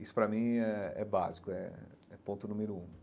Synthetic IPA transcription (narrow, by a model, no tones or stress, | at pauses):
isʊ̥pɾɐmĩɛɛ̰ba̰zikʊɛ̰ɛpõnt̪ʊnũmeɾʊũ